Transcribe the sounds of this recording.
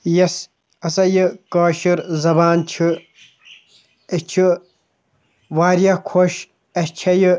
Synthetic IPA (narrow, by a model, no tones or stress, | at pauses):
jɐs | ɐsɐjɨkaːʃiɾzɐbaːnt͡ʃʰɨ | et͡ʃʰɨ | ʋaːɾjɐkʰoʃ | ɐt͡ʃʰɐjɨ